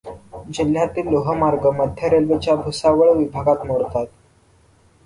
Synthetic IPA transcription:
d͡ʑil̤jat̪iːlːoɦəmaɾɡəməd̪ʱjəɾelʋet͡ɕjabʱusaʋəɭʋibʱaɡat̪moɾt̪at̪̚

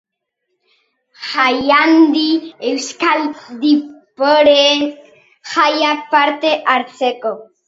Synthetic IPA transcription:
xajand̪iewskald̪ipoɾe | xajapaɾt̪eʔaɾseko

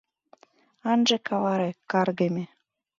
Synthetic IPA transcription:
ɑnʒĕkɑβɑɾekɑrɣemʲe

